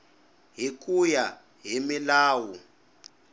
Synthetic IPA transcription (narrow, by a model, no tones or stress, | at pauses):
ɦik̬ʼuja | ɦimilaːwu